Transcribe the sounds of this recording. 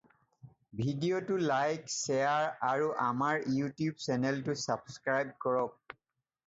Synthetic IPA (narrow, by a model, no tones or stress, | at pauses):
bʱidiotulajksɛaɹaɹuʔamaɹjutjubsɛnɛltʊsabskɹajb̚kɔɹɔk̚